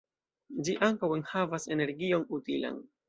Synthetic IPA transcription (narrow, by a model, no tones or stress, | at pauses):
d͡ʒiʔaŋkawe̞nhavase̞ne̞ɾɡio̞nutila̰n